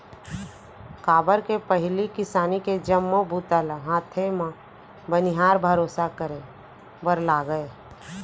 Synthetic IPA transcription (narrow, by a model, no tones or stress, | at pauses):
kaːbəɾkepəɦɪlikɪsaːniked͡ʒəmːobʱut̪əlɦãːt̪ʰemã | bəniɦaːɾbʱəɾoːsakəɾẽ | bəɾlaɡəe